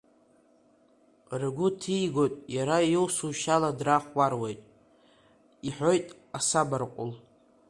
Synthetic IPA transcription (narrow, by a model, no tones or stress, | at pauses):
rɨɡʷʊtʰijɡo̞jtʼjaɾajowsuʃaladraχwarwe̞jtʼ | iħʷᶣo̞jtʼ | asabarqʷʼʊ̰l